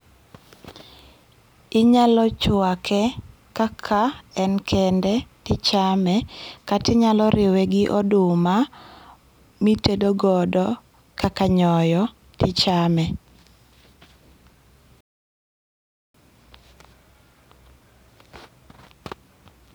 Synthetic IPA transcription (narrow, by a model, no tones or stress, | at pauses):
ɪɲalɔt͡ʃwakʰɛ | kakʰaɛnkʰɛndɛtɪt͡ʃamɛkatɪɲalɔɾɪwɛɡɪʔɔdʊma | mitedoɡɔdɔ | kakaɲɔjɔ | tɪt͡ʃamɛ